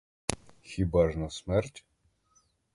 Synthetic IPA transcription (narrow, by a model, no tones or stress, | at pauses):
xʲibaʐnɔsmɛrtʲ